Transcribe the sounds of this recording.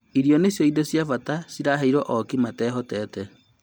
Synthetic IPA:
iɾijɔnesjɔidɔsjafatasiɾaɦeiɾɔʔɔkimatɛːɦɔtɛːtɛ

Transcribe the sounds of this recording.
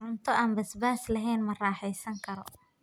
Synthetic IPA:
ʊnt̪ʰɔʔaːnbɐsbaːslɐɦɛjnmɐraːħɛjsɐŋkʰɐɾɔ̰

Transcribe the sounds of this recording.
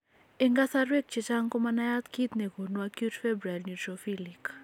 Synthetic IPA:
eŋɡasaɾwek̚t͡ʃet͡ʃaŋkomanajat̪kit̪nekonuakjutfɛbɾalnjut̪ɾofilik

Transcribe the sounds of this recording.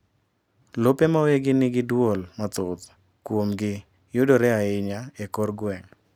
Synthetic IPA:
lopemaweɡɪnɪɡɪdwolmat̪ʊt̪ | kwomɡɪ | jʊdoɾɛaɪɲaekɔrɡwɛŋ

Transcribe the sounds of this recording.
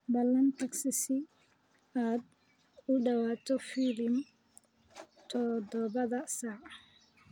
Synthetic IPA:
bɐlːɐnt̪ʰɐksɪsɪ | aːd̪̚ | ʊɖɐwaːt̪ʰɔfiːlɪm | t̪ʰɔd̪ɔβɐðɐsaːʕɑ

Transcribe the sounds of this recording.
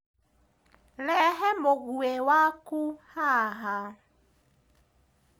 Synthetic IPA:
lɛɦɛmoɣuewakuhaɦa

